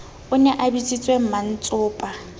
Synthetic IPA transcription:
ʊnɛʔabit͡sʼit͡sʼwem̩man̩t͡sʼʊːpʼa

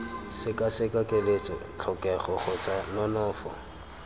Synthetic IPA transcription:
sɪkʼasɪkʼakʼelet͡sʼɔ̰t͡ɬʰɔkʼɛχɔχɔt͡sʼanɔnɔːfɔ̰

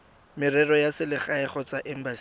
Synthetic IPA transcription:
mɪrɛrɔjasɪlɪχaɛχɔt͡saʔɛm̩bas

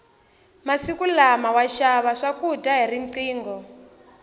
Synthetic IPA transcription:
masikulamawaʃaβaʂakutʼaɦiriǀiːŋɡɔ

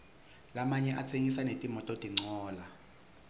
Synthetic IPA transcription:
lamaɲɛʔat͡sʰeŋisanetʼimɔtʼɔd̥ʱʼiŋ͡ǀɔːla

